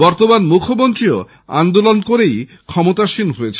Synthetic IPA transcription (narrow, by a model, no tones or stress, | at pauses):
bɔɾt̪omanmukʰomont̪ɾio | a̰nd̪olonkoɾej | kʰɔmot̪aʃinɦoet͡ɕʰ